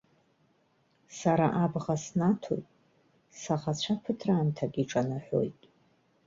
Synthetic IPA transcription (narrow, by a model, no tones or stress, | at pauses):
saɾaʔabʁasnatʰo̰jtʼ | saʁat͡ɕʷʰapʰɨtʰraːntʰaɡʲiʈ͡ʂʼanaħʷᶣo̞̰jtʼ